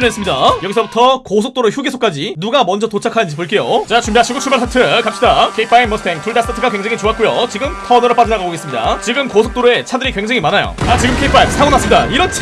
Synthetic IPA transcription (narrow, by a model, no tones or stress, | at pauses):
nɦes͈ɯmɲidajʌɡisʰʌbutʰʌkosʰok̚t͈oɾoçjuɡesʰok͈ad͡ʑinuɡamʌnd͡ʑʌtot͡ɕʰakʰanɯnd͡ʑipoɭk͈e̞jot͡ɕat͡ɕumbiaɕʰiɡot͡ɕʰuɭbaɭsʰatʰɯkapɕ͈idakʰe̞ip͈ʰaimmʌsʰtʰe̞ŋtuɭdas͈ɯtʰatʰɯɡakwe̞ŋd͡ʑeŋit͡ɕoat̚k͈ojot͡ɕiɡɯmtʰʌnɯɾʌp͈ad͡ʑidaɡaɡoɡes͈ɯmɲida̰t͡ɕiɡɯmkosʰok̚t͈oɾoe̞t͡ɕʰadɯɾikwe̞ŋd͡ʑeŋimanajo̰at͡ɕiɡɯmkʰeipʰaisʰaŋonas͈ɯmɲidaiɾʌt͡ɕʰ